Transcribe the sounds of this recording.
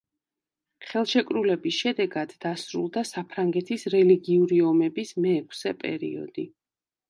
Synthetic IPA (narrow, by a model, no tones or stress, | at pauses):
χɛlˠʃɛkʼɾulɛbisʃɛd̪ɛɡad̪ːasɾṵlˠd̪asapʰɾaŋɡɛt̪ʰisɾɛliɡiuɾiɔmɛbismɛːkʰsɛpʼɛ̰ɾḭɔ̰d̪̥i